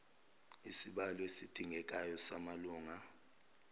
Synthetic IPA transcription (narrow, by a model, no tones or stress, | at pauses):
isiɓalɔesid̥ʱiŋʱɛk̬ʼajɔsamaluːŋa